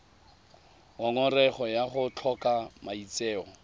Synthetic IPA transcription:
ɔŋɔrɛχɔjaχʊt͡ɬʰɔkamait͡sɛːɔ

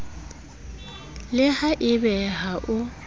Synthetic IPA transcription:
lɪhaʔɪbɛɦaʔʊ

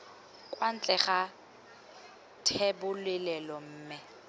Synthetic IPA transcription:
kʼwan̩t͡ɬʼɛχa | tʰɛbʊlɪlɛlɔm̩ːmɪ

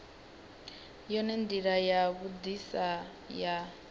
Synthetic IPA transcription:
jɔnɛnd̪iɺajaβud̪isa | ja

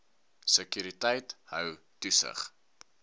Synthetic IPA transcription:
səkyɾitəjthœw | tusə̰χ

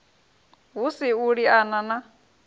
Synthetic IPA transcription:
ɦusiuɺianana

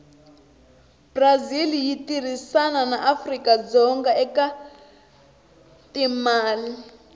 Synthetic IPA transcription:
brazilijitir̤isananaʔafrikad͡zɔŋɡaɛka | timaːli

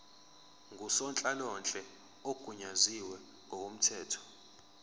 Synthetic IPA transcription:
ŋɡʱusɔnt͡ɬʼalɔnt͡ɬʼɛ | oɡ̥ʱuɲaziwɛ | ŋʱɔwom̩tʰɛːtʰɔ̥

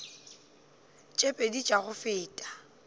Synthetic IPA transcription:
t͡ʃʼepʼedit͡ʃʼaɣʊfɪːtʼḁ

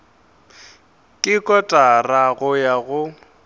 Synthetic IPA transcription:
kʼɪkʼɔtʼaraɣʊjaɣʊ

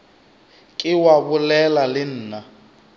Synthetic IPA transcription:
kʼɪwaβʊlɛlalɪn̩ːna

